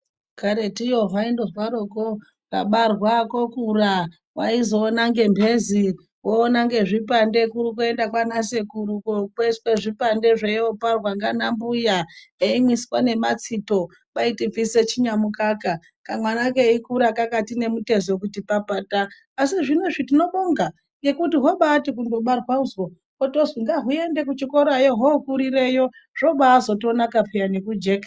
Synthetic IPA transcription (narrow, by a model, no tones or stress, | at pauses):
kaɾetijo̞ɦaindo̞zwaɾo̞ko | kaɓarwakokura | waizo̞ːnaŋɡe̞mbʱe̞zi | woːnaŋɡe̞ʐipande̞kuɾikue̞ndakwanasekuɾukokesweʐipande̞ʐeoparwaŋɡanambujaeimwiswane̞mat͡sito̞ | paitib͡viset͡ʃiɲamukaka | kamwanakeikuɾakakatine̞mute̞zokutipapaːtaː | siʐinoʐitino̞ɓoŋɡa | je̞kutiɦoɓaːtikundo̞ɓarwauzo | kotoziŋɡaɦue̞nde̞k̬ut͡ʃikoɾajoɦoukuɾiɾe̞jo̞ʐ̥o̞ɓaːzo̞to̞nakapʰejanekud͡ʒe̞ka